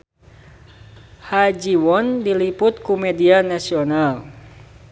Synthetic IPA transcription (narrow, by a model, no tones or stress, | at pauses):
had͡ʒiwɔndilipʊt̪̚kumɛdianasional